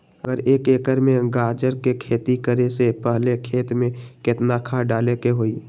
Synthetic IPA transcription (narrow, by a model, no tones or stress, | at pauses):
əɡəɾeːkeːkəɾmẽɡaːd͡ʒəɾkekʰeːt̪ikəɾesepəɦlekʰeːt̪mẽkɪt̪nakʰaɖaːlekeɦoːiː